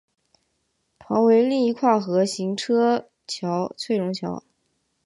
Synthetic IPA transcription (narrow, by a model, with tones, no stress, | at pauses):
pʰɑ˧˥ŋwe˧˥ɪli˥˧i˧˥kʰwa˥˩xɤ˧˥ɕi˧˥ŋʈ͡ʂʰɤ˥ | t͡ɕʰjɑ˧˥ʊt͡sʰwe˥˩ɪɻʊ˧˥ŋt͡ɕʰjɑ̰˧˥ʊ